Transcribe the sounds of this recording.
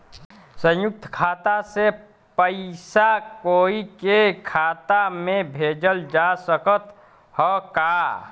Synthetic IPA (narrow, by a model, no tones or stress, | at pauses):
sə̃jʊk̚t̪ʰkʰaːt̪ase | pəɪsakoːikekʰaːt̪amẽbʱeːd͡ʒəld͡ʒasəkət̪ | hɔkaː